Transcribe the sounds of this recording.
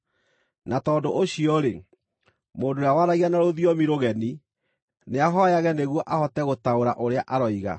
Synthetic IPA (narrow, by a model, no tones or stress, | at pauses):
natɔːdoʔoɕiɔɾe | moːndoɾawaɾaɣianaɾoðiɔmiɾoɣɛni | neaɦɔjaɣɛneɣwɔʔahɔtɛɣotaoɾa̰ʔoɾeaʔaɾɔiɣa̰